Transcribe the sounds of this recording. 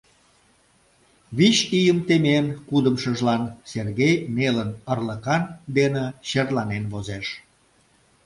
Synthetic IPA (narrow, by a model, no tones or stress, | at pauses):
βit͡ɕijəmt̪emenkud̪əmʃəʒlɑnserɣejmelənərləkɑnd̪eneɕerlɑnenβozeʃ